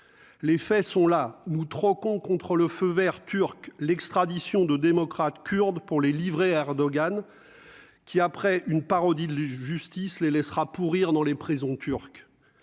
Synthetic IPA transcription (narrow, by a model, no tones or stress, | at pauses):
lefɛsɔ̃lanut̪χɔkɔ̃kɔ̃t̪χələføvɛʁt̪yʁklɛkst̪χad̪isjɔ̃d̪əd̪emɔkχat̪kʲʰyʁd̪puʁlelivʁeɛʁd̪ɔɡan | kʲʰiapχɛʔynpaʁɔd̪id̪ʒyst̪islelɛsχapuʁiʁd̪ɑ̃lepχizɔ̃t̪ʰyʁk